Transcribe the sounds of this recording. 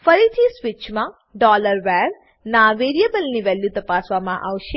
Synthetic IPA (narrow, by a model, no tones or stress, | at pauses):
fɐɾit̪ʰiswit͡ʃma | ɖɔːləɾʋɛːɾ | naːʋeːɾijəbəlniʋɛːljut̪ɐpaːsʋamãʔa̰wʃe